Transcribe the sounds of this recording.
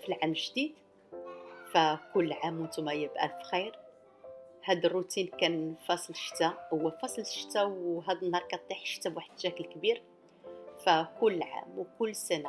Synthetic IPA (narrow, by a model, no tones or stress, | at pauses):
filʕamʒd̪id̪ | fækʊlːʕamːʊnt̪umæjəbʔæ̰fxijɾ | hæd̪ərːut̪inkænfɑsˤlʃt̪æhʊwːæfɑsˤlʃt̪æwɦæd̪ənhɑɾˤkæt̪ˤːiħʃt̪æbwaħəd̪ʃæklkbiɾ | fækʊlːʕa̰mwkʊlːsæna